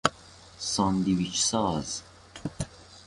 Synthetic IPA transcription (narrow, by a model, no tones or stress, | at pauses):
sɑnd̪iwit͡ʃsɑːz